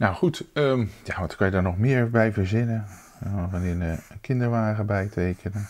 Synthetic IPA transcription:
nawχutəːmjaʋɑntkɑnjədaːɹnɔχmɪːɹbɛjvəɹzɪnə | nɔχənɪnəkɪndəɹʋaːχəbɛjtʰejkʰənə

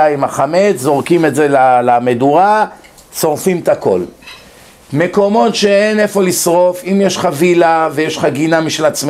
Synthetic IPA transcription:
aimaχame̞t͡szo̞ʁkime̞tzelalameduʁa | so̞ʁfimt̪ako̞̰l | me̞ko̞mo̞tʃe̞ene̞fo̞lisʁo̞fimjeʃχavilavejeʃχaɡinamiʃelat͡sm

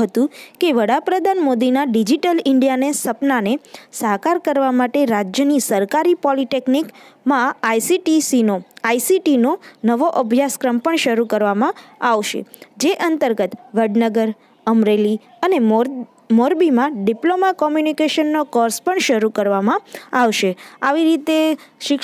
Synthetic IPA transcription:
ɦət̪ũkeʋəɽapɾəd̪ʱanmod̪inaɖid͡ʒiʈəlɪɳɖijanesəpnanesaɦkaɾkəɾʋamaʈeɾad͡ʒjənisəɾkaɾipɔliʈeknikmãajsiʈisinoajsiʈinonəʋoʔəbʱjaskɾəmpəɳʃəɾukəɾʋamãaʋʃḛd͡ʒeʔənt̪əɾɡət̪ʋəɖnəɡəɾ | əmɾeli | əne | moɾbimãɖiplomakɔmjunikeʃənːokɔɾspəɳʃəɾukəɾʋamãaʋʃea̰ʋiɾit̪eʃɪk

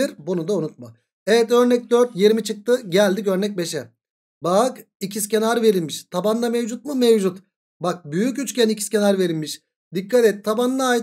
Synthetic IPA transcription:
iɾbunud̪aunut̪̚ma | ɛvɛt̪ø̞ɾnɛc̚d̪øɾt̪je̞ɾimit͡ʃʰɯk̚t̪ʰɯɟælʲd̪icø̞ɾnɛc̚be̞ʃɛ | bak | icʰiscenaɾve̞ɾilʲmiʃt̪ʰaband̪amevd͡ʒut̪̚mɯmevd͡ʒut̪ | bak̚byjycyt͡ʃcʲænicʰi̥scʲenaɾve̞ɾilʲmiʃ | d̪ikːat̪ɛt̪t̪ʰːaband̪ˠaːj

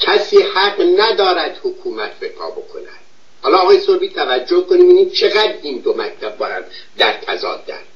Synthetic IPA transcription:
cʰæsiːhæɡnæd̪ɒːɾæd̪̥hokʰuːmæt̪ʰbepʰɒ̰ːbo̞̰kʰo̞̰næ̰d̪̥ | hɒːlɒːɣɒːjesoɾbiːt̪ʰævæd͡ʒːohkoniːmbiniːt͡ʃʰe̞ɣæd̪ɾind̪omæc̚t̪ʰæb̚bːɒːjæ̰nd̪ | d̪æɾt̪ʰæzɒ̰ːd̪ːæ̰ɾ

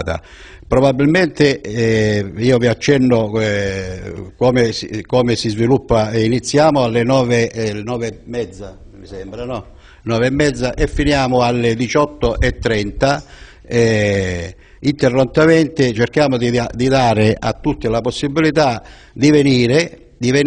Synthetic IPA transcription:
t̪a̰ | pɾobabːilment̪ɪ | iːoviat͡ʃːɛnːo | kɔːmeskoːmesizvilupːainit̪sːjaːmʊalːenɔːvenɔːvemːɛd̪zːa | misɛmbɾanɔ | nɔːveɛmːɛd̪zːaʔefːinjaːmʊalːed̪it͡ʃɔt̪ːoʔɛt̪ːɾɛnt̪a | ɛ | int̪erːont̪ament̪ɪt͡ʃerkjaːmod̪iad̪id̪aːɾɪa̰t̪ːut̪ːɪlaposːibːilit̪a | d̪iveniːɾe | d̪iven

